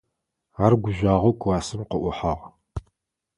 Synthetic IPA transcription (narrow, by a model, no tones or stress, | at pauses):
arɡʷʊʑʷaːʁowkʰʷwaːsɨmqəʔʷʊħaʁ